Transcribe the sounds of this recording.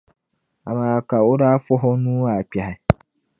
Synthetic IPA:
a˨mãː˨ka˨o˦ɾa˦fɔ˦ɦɔ˦nũ˦a˨k͡pja˨ɦɪ˨

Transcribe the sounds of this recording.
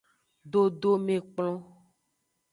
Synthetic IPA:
ɖo˦ɖo˦mẽ˨k͡plɔ̃˦

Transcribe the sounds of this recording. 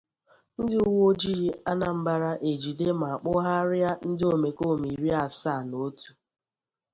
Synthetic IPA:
n̩˦dɪ˦ʊ˦wo˦d͡ʒi˦ɾi˦a˦na˨m̩˦ba˦ɾa˦ʔe˨d͡ʒi˨de˦ma˨a˨k͡pʊ˦ɦa˦ɾɪ˦a˦n̩˦dɪ˦o˨me˨ko˦˨mi˨ɾi˦a˨sa˦˨no˦tu̥˨

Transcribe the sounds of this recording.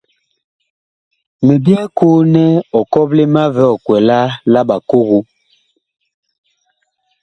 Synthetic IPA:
me˨bjɛ˦kuː˦nɛ˦ɔ˨kɔ˦ple˦ma˦vɛ˦ɔ˨kwɛ˨la˦la˦ɓa˨ko˦ɣu˦

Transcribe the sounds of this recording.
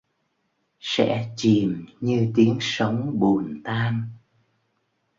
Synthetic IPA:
sɛ̰˧˥t͡ɕi˨˩mɲɨ˧t̪i˨˦ənsə˨˦wŋ͡mɓu˨˩ənt̪aː˧n

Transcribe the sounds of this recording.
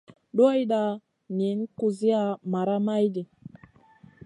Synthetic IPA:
ɗo˦jɗa˨ | ni˨˦nku˨zi˦a˨ma˨ɾa˦ma˦jdi˨

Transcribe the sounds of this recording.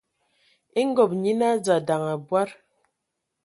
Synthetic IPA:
i˦ŋ̩˦ɡɔ˨p̚ɲi˦na˦d͡za˨da˨ŋa˨bwa˦ɾ

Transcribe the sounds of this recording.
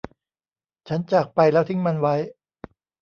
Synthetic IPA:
t͡ɕʰa˦˥nt͡ɕaː˨˩k̚pa˧jlɛː˦˥wt̪ʰi˦˥ŋma˧nwa˦˥j

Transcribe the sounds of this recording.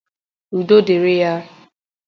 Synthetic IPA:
u˨do˦de˨ɾɪ˦ja˦

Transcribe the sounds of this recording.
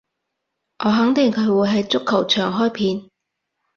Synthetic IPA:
ʔɔː˨˧ɦɐ˨˥ŋt̪ɪ˨˩ŋkʰɵ˨˧ɥwuː˨˧jɦɐ˨jt͡sʊ˥kʰːɐ˨˩wt͡ʃʰœː˨˩ŋɦɔː˥jpʰiː˧n

